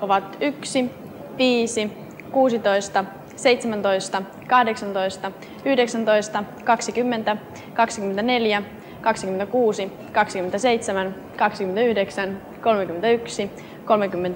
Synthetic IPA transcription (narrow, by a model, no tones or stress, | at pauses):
oʋɑt̪yksi | ʋiːsi | kuːsit̪o̞jst̪ɑ | se̞jt̪semænt̪ojst̪ɑ | kɑhdeksɑnt̪o̞jst̪ɑ | yhdeksɑnt̪o̞jst̪ɑkɑksikymːe̞nt̪æ | kɑksikyment̪æne̞ljæ | kɑksik̟yment̪ækuːsi | kɑksikymːent̪æse̞jt̪semæn | kɑksikymenyhdeksæn | ko̞lmek̟ymːent̪æyksi | ko̞lmekymːent̪æ